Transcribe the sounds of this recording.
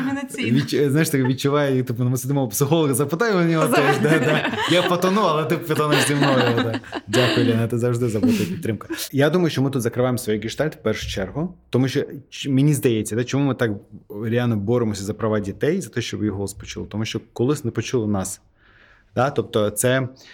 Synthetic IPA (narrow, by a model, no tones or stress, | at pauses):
ʋʲiznaɪʂt̪ɪkʋʲit͡ʃːʊʋajɛt̪ɪpɐnɐmɪsʲɪd̪ɪmɔpsɪxɔlˠɔɣɐzɐpɪt̪ajɪʊnʲiɦɔt̪ɔʒd̪ad̪ajapɐt̪ɔnuɐlˠɛt̪ɪpʲɐt̪ɔnɛʒzʲɪmnɔjɔɔd̪adʲakʊjʊlʲɛnɐt̪ɪzɐwʐd̪ɪzɐbut̪ɐjɐpʲit̪ːɾɪmkɐ̥jad̪umɐjʊʃt͡ʃɔmɨt̪ut̪zɐkɾɪʋajɪmsʋɔjijɡʲɪʂt̪alʲt̪fpɛrʂʊjʊt͡ʃɛrɦʊt̪ɔmuɕʲɔt͡ʃmʲɪnʲizd̪ɐjet͡sʲːɐd̪at͡ʃɪmumɪt̪akɾʲɪalʲnɐbɔɾɪmɔsʲɐzɐpɾɐʋadʲit̪ɛjzɐt̪ɔɔɕʲt͡ʃɔbjiɦɔlˠɐspɔt͡ʃṵlˠt̪ɔmuɕʲt͡ʃɔkɔlˠɪsʲnɛpɔt͡ʃulˠnas | d̪̥at̪op̚t̪ɔt̪sɛ